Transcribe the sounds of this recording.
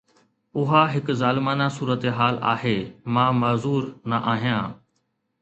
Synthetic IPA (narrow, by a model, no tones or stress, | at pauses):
ʊɦaɦɪkzaːlɪmaːnasuːɾət̪eɦaːla̰ːheːmãːmɐːzuːɾnɐʔaːɦijãː